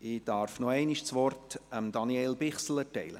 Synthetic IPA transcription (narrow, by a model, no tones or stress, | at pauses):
ɪd̥ɑɾfnoɛɪniʃt͡sʋɔrtəmd̪ɑniɛlbɪχsl̩ətɛɪlə̰